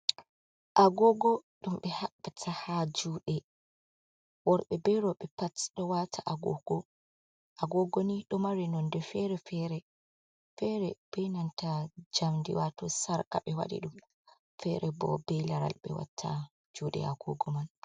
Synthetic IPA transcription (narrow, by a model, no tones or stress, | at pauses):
ʔaɡɔɡɔɗumɓɛhaɓːatʰahad͡ʒuɗɛ | wɔɾɓɛbɛɾɔɓɛpatɗɔwatʰaʔaɡɔ̰ɡ̥ɔ | ʔaɡɔɡɔniɗɔmaɾinɔndɛfɛɾɛfɛɾɛ | fɛɾɛb̥ɛjnantad͡ʒamdḭwatɔsaɾka̰ɓɛwa̰ɗḭɗum | fɛɾɛbɔ̰bɛjlaɾa̰lɓɛ̰wa̰tʰːa | d͡ʒuːɗɛ̰aɡɔ̰ɡɔman